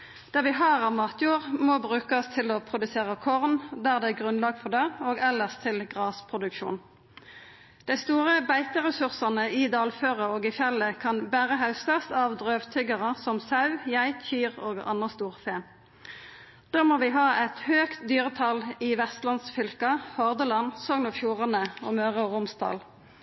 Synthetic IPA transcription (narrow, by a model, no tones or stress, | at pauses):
d̪̥æʁʋɪɦɑːʁɑʋmɑːt̪ʰjuːʁmɔbʁʉːkɑst̪ʰɪlɔpʰʁʊd̪ʉseːʁəkʰɔʁnd̪æːʁd̪ɛæɡʁʉnlɑːɡfɔʁd̪eoːɡɛləʁst̪ʰɪlɡʁɑːspʰʁʊd̪ʉkʃṵːn | d̪̥æɪst̪uːʁəbæɪt̪əʁɛsʉʁsɑnəɪd̪ɑːlføːʁəoːɡɪfjɛlːəkʰɑnbæːʁəɦɑʉst̪ɑst̪ɑʋd̪ʁøːʋt̪ʰʏɡɑʁəsɔmsɑʉjæɪt̪çyːʁoːɡɑ̰nəst̪uːʁfeː | d̪̥oːmoːʋɪːɦɑːʔɛt̪høːkt̪d̪yːʁət̪ʰɑliʋɛst̪lɑnsfʏlkɑhɔʁd̪əlɑnsɔːŋnɔfjuːʁənəo̰ːmøːʁəɔːʁʊmst̪ʰɑ̰ːl